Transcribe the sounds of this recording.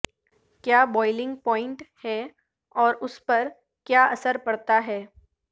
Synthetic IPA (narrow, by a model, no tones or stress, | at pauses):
kjaːbɔːɪlɪ̃ŋɡ̚pɔ̃ːɪ̃ɳʈhɛ | ɔːɾʊspɐɾ | kjaːɐsəɾpɐɽt̪aɦɛː